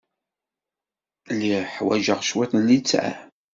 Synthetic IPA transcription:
liħwæʒəʁʃwæθəlːit͡sːʕæ̰

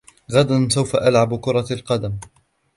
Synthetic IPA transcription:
ɣad̪ansawfaʔalʕabkʊɾˤɑlqɑd̪am

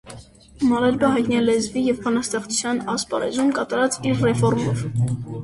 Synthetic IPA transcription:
mɑɾɑɾbəɦɑjt̪niɛlɛzvijɛvpʰɑnɑst̪ɛχt͡su̥t͡sʰjɑnɑspɑ̰ɾɛ̰zumkɑt̪ɑɾɑt͡siɾrɛfɔɾmɔv

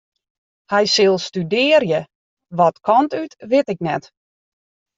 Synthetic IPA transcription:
hɛjsɪlˠstydɪːərjə | ʋɔtkʰɔntytʋɪtɪknɛt

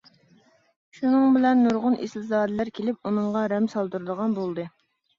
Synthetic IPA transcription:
ʃunɨŋbɪlɛnːuɾʁʊnʔḛslzɑːd̪ɛlæɾkʲʰelɪp̚unɨŋʁɑɾɛmsɑlˠd̪uɾɨd̪əʁɑnbolˠd̪ɨ

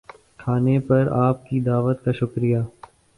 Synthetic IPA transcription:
kʰaːnepɐɾaːp̚kid̪aːʋət̪kaʃʊkɾijaː

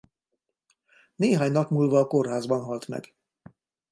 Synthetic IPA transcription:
neːɦaːɲnɒpmuːlvɒːko̞rɦaːzbɒnɦɒlt̪mɛ̰ɡ

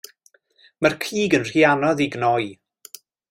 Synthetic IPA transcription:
mərkʰiːɡənr̥ianɔðiɡnɔj

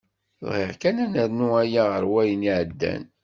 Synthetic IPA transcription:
ðhḭʕkænænəɾnuæjaʁəɾwæjəniʕəd̪ːæ̰n

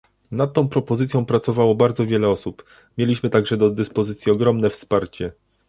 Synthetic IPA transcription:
nat̪̚ːɔ̃w̃pɾɔpɔzɘt̪sʲjɔ̃w̃pɾat̪sɔvawɔbaɾd̪zɔvʲjɛlɛɔsup | mʲjelʲiɕmɘt̪aɡʐɛd̪ɔd̪ɘspɔzɘt̪sʲjiɔɡɾɔmnɛfspaɾt͡ɕɛ

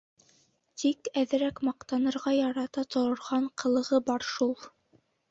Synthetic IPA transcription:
t̪ikæðɘ̆ɾækmɑqt̪ɑnɤ̆ɾʁɑjɑɾɑt̪ɑt̪ŏɾɤ̆ɾʁɑɴqʰɤ̆lˠɤ̆ʁɤbɑɾʃulˠ

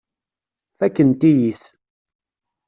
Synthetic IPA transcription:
θækːənt̪ijiθ

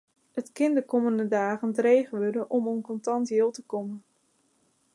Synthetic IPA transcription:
ətkɪndəkɔməndədaːɣəndrejχəʋødəʔɔmonkɔntɑntjɪːlˠtəkɔmən

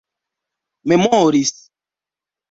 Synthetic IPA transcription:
memɔ̃oɾis

